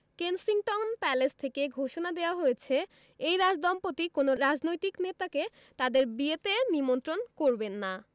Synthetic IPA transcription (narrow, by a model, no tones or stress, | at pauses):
kensiŋʈɔŋnpɛlest̪ʰekeɡʱoʃonad̪eoaɦojet͡ɕʰe | ejɾad͡ʑd̪ɔmpot̪ikonoɾad͡ʑnojt̪iknet̪ake | t̪ad̪eɾbiet̪enimont̪ɾonkoɾbenːa